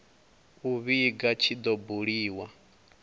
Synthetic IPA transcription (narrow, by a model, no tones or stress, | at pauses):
uβiɡat͡ʃʰid̪ɔbuɺiːwa